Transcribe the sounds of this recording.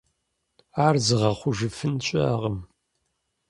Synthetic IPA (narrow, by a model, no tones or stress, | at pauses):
aːrzɨʁɐχʷʊʒɨfɨnt͡ʃʼɐʁəm